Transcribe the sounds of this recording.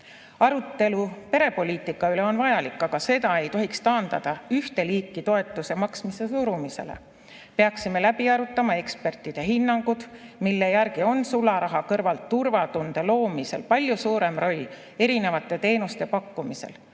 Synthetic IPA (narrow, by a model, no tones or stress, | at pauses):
ɑɾut̪ːe̞lupe̞ɾe̞po̞lʲiːt̪ːˑikːˑɑyle̞o̞nvɑjɑlikːˑɑɡ̥ɑse̞t̪ɑe̞jt̪o̞ɦikst̪ɑːnd̪ɑd̪̥ɑyht̪e̞liːkˑːit̪o̞e̞t̪ːˑusemɑksmise̞suɾumise̞̰le̞̰ | peɑksime̞læb̥iɑɾut̪ːˑɑmɑe̞kspe̞rt̪ːˑid̪̥e̞ɦinːɑŋɡ̥ud̪̥milːe̞jæɾɡio̞nsulːɑɾɑɦɑkɤrvɑlt̪ːurvɑt̪und̪̥e̞lo̞ːmise̞lpɑlʲjusuːɾe̞mro̞lʲː | e̞ɾine̞vɑt̪ˑːe̞t̪e̞ːnust̪e̞pɑkːumise̞̰l